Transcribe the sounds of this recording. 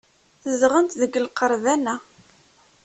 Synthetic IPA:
θəzʁənt̪ðəɡəlqəɾˤvænæ

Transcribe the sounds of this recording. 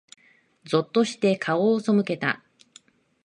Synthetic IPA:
zo̞t̪ːo̞ɕi̥t̪e̞kʰao̞ːso̞mɯ̟ke̞t̪a̰

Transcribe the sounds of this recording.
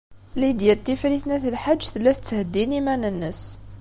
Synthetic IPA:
lid̪jæt̪ːifɾiθnæθəlħaʒːθəlːæθət͡sːhəd̪ːinimænənːəs

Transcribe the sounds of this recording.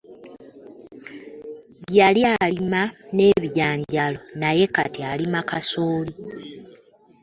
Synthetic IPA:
jalialimane̞ːβiɟaːɲɟalo̞naje̞ka̰tialimakasoːli

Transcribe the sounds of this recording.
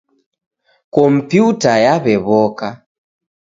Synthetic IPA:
kɔm̩pjutajaβɛβɔka

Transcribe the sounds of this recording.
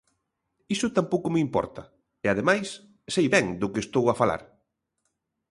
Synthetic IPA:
isʊt̪ampowkʊmɪimpɔ̰ɾt̪ɐ | eað̞emajs | sejβɛŋd̪ʊkest̪owafala̰ɾ

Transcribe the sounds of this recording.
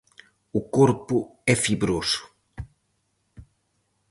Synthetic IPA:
ʊkoɾpʊɛfibɾosʊ̥

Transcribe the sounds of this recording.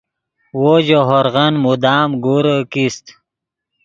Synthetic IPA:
wod͡ʑoɦoɾɣənmud̪aːmɡuɾəkist̪

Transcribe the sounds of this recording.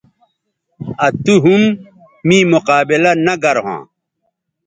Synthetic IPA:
ɐt̪uɦumː | ĩmuqaːbilɐnɐɡɐɾɦã̰ː

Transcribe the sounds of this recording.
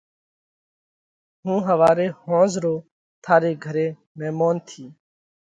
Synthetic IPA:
ɦũːɦəʋaːɾeːhõːzɾoː | t̪ʰaːɾeːɡʱəɾeː | mɛ̃ːmoːnt̪ʰiː

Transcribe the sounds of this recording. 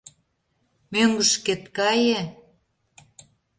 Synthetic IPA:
møŋɡə̆ʃket̪kɑjĕ

